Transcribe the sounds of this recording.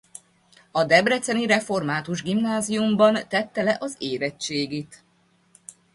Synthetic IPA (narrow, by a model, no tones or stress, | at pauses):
ɒd̪ɛbrɛt̪sɛniɾɛfo̞rmaːt̪uʒɡimnaːzijumbɒnt̪ɛt̪ːɛlɛʔɒzeːɾɛtt͡ʃeːɡiːt̪